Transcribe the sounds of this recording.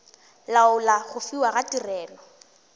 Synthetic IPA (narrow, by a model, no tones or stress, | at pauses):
laʊlaɣʊfiwaɣatʼirɛːlɔ